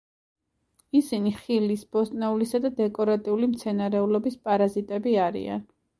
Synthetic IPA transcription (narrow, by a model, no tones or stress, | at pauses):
isiniχilisb̥ɔst̪ʼnɛulisad̪ad̪ɛkʼɔɾat̪ʼiulimt̪sʰɛnaɾɛulɔbispʼaɾazit̪ʼɛbiaɾḭa̰n